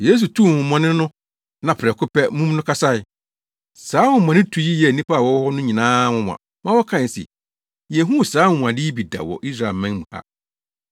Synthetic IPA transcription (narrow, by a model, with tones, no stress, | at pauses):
je˦s̬u˨tʰu˦˨wʊ̃˨mɔ̃˨nɪ̃˦nʊ̃˦ | nã˨pʰɾɛ˨kʰʊ˦pɛ˦mũ˦m˦nʊ̃˦kʰa˦sa˦ɪ˨ | saː˨˦wʊ̃˨mɔ̃˨nɪ̃˦tʰu˨ji˦jɛ˨nĩ˦pʰa˦˨wɔ˦hɔ˦nʊ̃˦ɲĩ˨nãː˦wʊ̃˦m˨ã̰˨ | mã˦wɔ˦kʰã˦˨sɪ̰˨ | jɛ˨ɦũ˦˨sãː˨˦˨m̃˨ã˨dɪ˦i˦bi˨da̰˨wɔ̰˨ʔi˦sɾa˦˨e˨lmɛ̃˦ŋmũ˨ha̰˦